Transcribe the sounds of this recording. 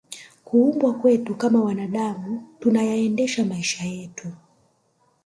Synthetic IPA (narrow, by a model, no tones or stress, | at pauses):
kuumbwakwɛtukamawanaɗamutunajaɛndɛʃamaiʃajɛtu